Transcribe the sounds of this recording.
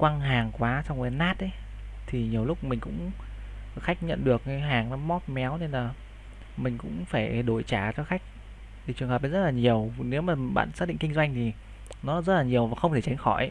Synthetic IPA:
kwa˧ŋɦaː˨˩ŋkwaː˨˦sa˧wŋ͡məː˨˦naː˦˥t̚ʔə˨˦ | t̪ʰi˨˩ɲi˨˩əwlʊ˦˥k͡p̚mï˨˩ŋ̟kʊ̰˧˥ŋ͡m | xa˦˥jk̚ɲə̰˧˨nɗɨ˨˩ək̚a˨˦ɦaː˨˩ŋnɔ˨˦mɔ˦˥t̚mɛ˨˦wne˧nlaː˨˩ | mï˨˩ŋ̟kʊ̰˧˥ŋ͡mfaː˧˩jɗo˧˩jt͡ɕaː˧˩t͡ɕɔ˧xa˦˥jk̟̚ | t̪ʰi˨˩t͡ɕɨ˨˩əŋɦəː˨˩ɗːzə˦˥t̚laː˨˩ɲi˨˩əwne˨˦wmaː˨˩ɓa̰ː˧˨nsaː˦˥t̚ɗḭ˧˨ŋki˧ŋzwa˧jŋ̟t̪ʰi˨˩ | nɔ˨˦zə˦˥t̚laː˨˩ɲi˨˩əwvaː˨˩xə˧ŋ͡mt̪ʰe˧˩t͡ɕa˨˦ŋ̟xɔ˧˩j

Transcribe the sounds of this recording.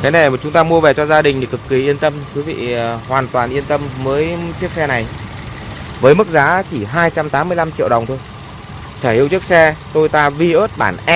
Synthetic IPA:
t̪ʰe˨˦na˨˩jt͡ɕʊ˨˦ŋ͡mt̪aː˧mu˧əvɛ˨˩t͡ɕɔ˧zaː˧ɗï˨˩ŋ̟t̪i˨˩kɨ˨˩kːi˨˩ʔi˧ənt̪ə˧mkɨ˨˦vḭ˧˨hwaː˨˩nt̪waː˨˩nʔi˧ənt̪ə˧mːəː˨˦jt͡ɕi˦˥k̚sɛ˧na˨˩j | vəː˨˦jmɨ˦˥k̚zaː˨˦t͡ɕi˧˩ɦaː˧jt͡ɕa˧mt̪aː˨˦mːɨ˧əla˧mt͡ɕḭ˧˨əwɗə˨˩wŋ͡mt̪ʰo˧j | səː˧˩hḭ˧əwt͡ɕək̚sɛ˧t̪o˧jt̪aː˧vi˧ʔəː˦˥t̚ɓa̰ː˧˩nʔɛ˦˥

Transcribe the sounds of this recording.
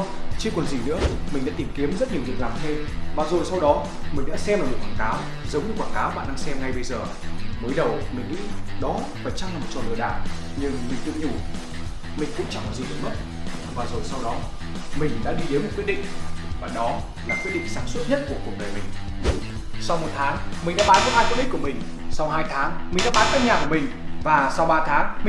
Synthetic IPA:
t͡ɕi˧kwnzi˨˩nɨ̰˧˥əmï˨˩ŋ̟ɗa̰ː˧˥t̪i˨˩mki˨˦əmzə˦˥t̚ɲi˨˩əzə˩k̚laː˨˩mt̪ʰe˧mvaː˨˩zo˨˩jsa˧wɗɔ˨˦ | mï˨˩ŋ̟ɗa̰ː˧˥sɛ˧maː˨˩mo˨˩t̚kwaː˧˨˩kaː˨˦w | zə˨˦wɲɨ˧˩kwaː˧˩nkaː˨˦wɓa̰ː˧˨nɗaː˧ŋsɛ˧mŋa˧jɓə˧jzəː˨˩ | məː˨˦jɗə˨˩wmï˨˩ŋ̟ŋḭ˧˥ɗɔ˨˦vaː˨˩t͡ɕa˧ŋlaː˨˩m̚˨˩t͡ɕɔ˨˩lɨː˨˧˩jɗa̰ː˧˨ɲɨ˧ŋi˨˩zɨ̰˧˥ɲu˨˧˩ | mï˨˩ŋ̟kʊ̰˧˥ŋ͡mt͡ɕa˧˩lɔ˨˩zi˨˩ɗɨ˨˦ŋ͡mlə˦˥˩t̚ | vaː˨˩zo˨˩jsa˧wɗɔ˨˦ | mï˨˩ŋ̟ɗa̰ː˧˥ɗi˧ɗe˨˦nmo˨˩t̚kwt̚ɗḭ˧˨ŋ̟vaː˨˩ɗɔ˨˦ | laː˨˩kwi˦˥əɗḭ˧˨ŋsaː˨˦ŋswə˦˥t̚ɲə˦˥t̚ku˧˩əku˨˩ɗəː˨˩jmï˨˩ŋ̟ | sa˧wmo˨˩t̚t̪ʰaː˨˦ŋmï˨˩ŋ̟ɗa̰ː˧˥ɓaː˨˦kɨ˨˦haː˧jku˧˥nɗi˦˥kəmï˨˩ŋ̟sa˧wɦaː˧jt̪ʰaː˨˦ŋmi̟˨˩ɗa̰ː˧˥ɓaː˨˦nkaː˦˥k̚ɲaː˨˩ku˧˩əmï˨˩ŋ̟vaː˨˩sa˧wɓaː˧t̪ʰaː˨˦ŋmï˨

